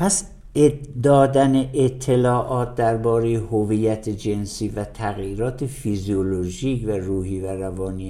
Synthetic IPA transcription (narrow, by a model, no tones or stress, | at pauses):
pʰæs | d̪ɒːd̪æneʔet̪ʰːelɒːʔɒːt̪̚d̪æɾbɒːɾe̞jehoviːjæt̪ʰed͡ʒe̞nsiːvæt̪ʰæɣjiːɾɒːt̪ʰefizioloʒiːkværuːɦiːværævɒːniː